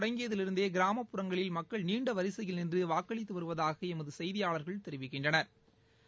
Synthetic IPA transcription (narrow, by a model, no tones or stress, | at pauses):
ɽɐŋɡɪjɐðɪlɪɾɯnd̪eːɡɪɾaːmɐpːʊɾɐŋɡɐɭɪlmɐkːɐɭniːɳɖɐʋɐɾɪsɐjɪlnɪndrɯʋaːkːɐɭɪt̪ːɯʋɐɾɯʋɐðaːɣɐɛmɐðɯsɛjðɪjaːɭɐɾɣɐɭt̪ɛɾɪʋɪkːɪɳdrɐnɐɾ